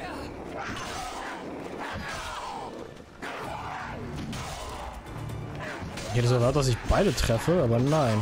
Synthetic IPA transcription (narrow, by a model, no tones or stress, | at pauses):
ʔɪçhɛtəzɛɐvaɐt̚d̥as̬ɪçb̥aɪdətʁ̥ɛfəaːbɐnaɪn